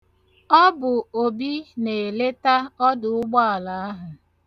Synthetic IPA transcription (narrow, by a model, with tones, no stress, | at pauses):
ɔ˦bʊ˨o˨bi˦ne˨le˦ta˦ɔ˦dʊ˨ʊ˦ɡ͡bɔ˦a˨la˨a˦ɦʊ˨